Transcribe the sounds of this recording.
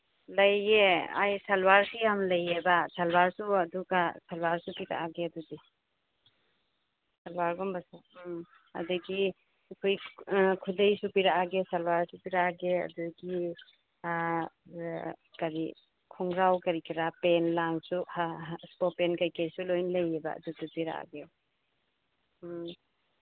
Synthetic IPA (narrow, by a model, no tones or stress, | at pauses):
lɐjea̰jsɐlwaɾsijamlɐjebasalwaɾsuɐduɡasalwaɾsupiɾa̰aɡeɐduɡi | salwaɾɡɔmbɐsu | ɐ̰duɡi | kʰojkʰudejsupiɾaaɡesalwaɾsupiɾaaɡeɐ̰duɡi | kaɾi | kʰɔŋɾawkɐɾikiɾapenlaŋsuhaspɔpenkɐjkeɾisulojnlɐjeba̰ɐ̰dudupiɾa̰a̰ɡe